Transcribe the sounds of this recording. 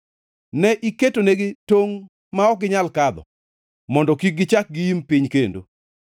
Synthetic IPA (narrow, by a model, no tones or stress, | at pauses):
nɛʔiketoneɡɪtoŋ | maɔɡɪɲalkad̪ɔ̰ | mɔndɔkik̚ɡɪt͡ʃak̚ɡiimpiɲkendo̰